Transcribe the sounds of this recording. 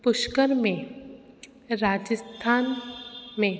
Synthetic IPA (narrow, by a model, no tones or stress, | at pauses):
pʊʃkəɾmẽ | ɾaːd͡ʒəst̪ʰaːnmẽ